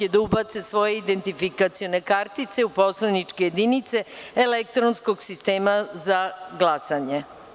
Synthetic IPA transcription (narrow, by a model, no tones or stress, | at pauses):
ed̪aubat̪sesʋo̞jeid̪ent̪ifikat̪sijo̞ne̞kaɾt̪it̪seupo̞slanit͡ʂkejed̪init̪se̞elek̚t̪ɾonsko̞ɡsist̪eːmazaɡlˠasaɲe